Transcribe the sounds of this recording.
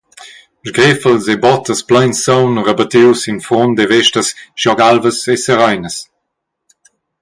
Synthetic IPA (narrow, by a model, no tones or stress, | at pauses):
ʒɡɾefəlzebɔt̪əsplajnsɔwnrəbat̪iwsinfɔnd̪evɛʃtəsʃjɔɡalvəsesəɾajnəs